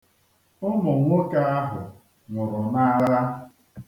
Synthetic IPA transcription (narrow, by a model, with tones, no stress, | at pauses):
ʊ˦mʊ˨ŋʷo˦ka˦a˦ɦʊ˨ | nʊ˨ɾʊ˨na˦a˦ɾɾa˦